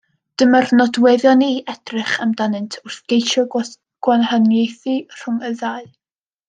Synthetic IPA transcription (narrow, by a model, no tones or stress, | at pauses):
d̥əmarnɔdwɛðjɔniʔɛd̥rɪχəmdanɪntʰʊrθɡ̥ejʃɔ | ɡ̥wanhanjejθir̥ʊŋəðaɨ